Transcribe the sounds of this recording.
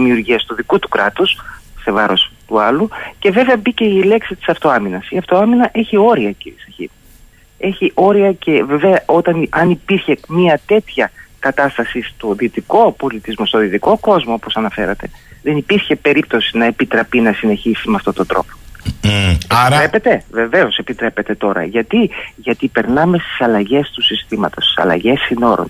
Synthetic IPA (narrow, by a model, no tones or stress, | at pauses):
imiuɾʝiɐst̪uðikut̪u̥kɾɐt̪usse̞vɐɾo̞st̪uɐluce̞ve̞ve̞ɐbice̞ile̞ksit̪i̥sɐft̪o̞ɐminɐsiɐft̪o̞ɐminɐʔe̞çio̞ɾiɐciɾiesɐçḭp | e̞çiʔo̞ɾiɐce̞veve̞ɐʔo̞t̪ɐnɐnipiɾçe̞miɐt̪e̞t̪çɐkɐt̪ɐst̪ɐsist̪oðit̪iko̞po̞lit̪izmo̞st̪oðit̪iko̞ko̞zmoopo̞sɐnɐfe̞̰ɾɐt̪e̞ðe̞nipiɾçe̞pe̞ɾip̚t̪o̞sinɐepit̪ɾɐpinɐsine̞çisimeɐft̪o̞t̪ond̪ɾo̞̰po | aɾɾepe̞t̪e̞ve̞ve̞o̞se̞pit̪ɾe̞pe̞t̪e̞t̪o̞ɾɐ̰ʝɐt̪iʝɐt̪ipe̞ɾnɐme̞st̪i̥sɐlɐʝe̞st̪usist̪imɐt̪o̞st̪i̥sɐ̰lɐ̰ʝe̞sːino̞ɾo̰n